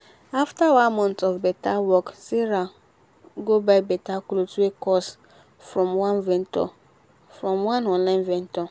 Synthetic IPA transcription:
aftawãnmɔ̃ntɔvbɛtawɔksiɾa | ɡobaɪbɛtaklotuekɔs | fɹɔ̃mwãnvɛ̃ntɔ̰ | fɹɔ̃mwãnɔ̃nlãnvɛ̃ntɔ

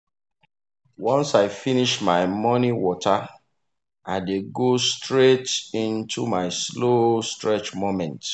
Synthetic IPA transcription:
wɔ̃nsaɪfiniʃmaɪmɔniwɔta | ʔaɪdeɡostɹetĩntʰumaɪslostɹɛt͡ʃmomɛ̃nt

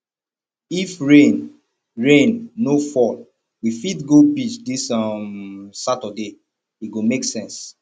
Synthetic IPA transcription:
ifɹẽn | ɹẽnːofɔl | wifitɡopit͡ʃdisʌmsatəde | iɡomeksɛ̃ns

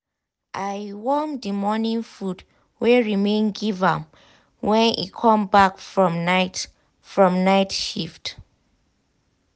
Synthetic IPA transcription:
ʔajwɔmdimɔnĩnfud | wɛɹimẽnɡivam | wɛ̃nʔḭkʰɔ̃mbakfɹɔ̃mnat | fɹɔ̃mnajtʃift

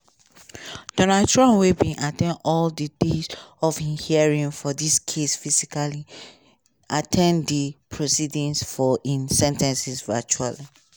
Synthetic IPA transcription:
d̥ɔ̃naltɹɔ̃nwebĩʔatʰɛ̃nɔldidezɔfĩhiaɹĩnfɔdiskʰesfizikali | atʰɛ̃ndipʰɹosidĩnsfɔʔĩnsɛ̃ntɛ̃nsisvɛt͡ʃuali

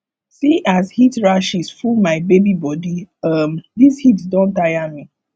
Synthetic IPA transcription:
siʔazhitɹaʃisfulmaɪbebibɔdiʌmdishitdõntajami

